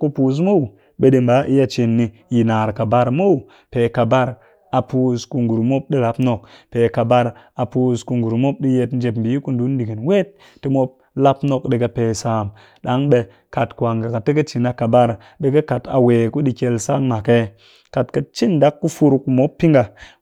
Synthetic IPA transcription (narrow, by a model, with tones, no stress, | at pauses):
ku˦pu˨s̬mo˦w | ɓe˨de˨˧mba˨˦ʔi˦ja˦t͡ʃe˨nːi˧ji˨na˨ɾka˨ba˦ɾmo˦w | pe˨ka˨ba˦ɾ | a˨pu˦sku˧ŋɡu˨ɾmo˦p̚ɗi˦la˦pno˨k̚pe˨ka˨ba˦ɾ | a˨pu˦sku˧ŋɡu˨ɾmo˦p̚ɗi˦je˧tn˦d͡ʒe˨pm̩˨bi˨˦ku˦n˦du˨˦n˦di˨ɡi˨nwe˦t̚ː | i˦mo˦p̚ | la˦pno˨kɗe˨ke˧peː˨sa˨m | ɗa˨˦ŋɓe˧ | ka˨tkʷa˨ŋɡa˨ka˨tːe˦ke˦t͡ʃi˨na˨˧ka˨ba˦ɾ | ɓe˨ke˦ka˨ta̰˨weː˨ku˦ɗi˧ke˧lsa˦ŋma˨ke˦ | ka˨tke˨t͡ʃi˦nda˦kːu˦fu˦ɾkːu˨mo˨˦pːi˦ŋɡa˨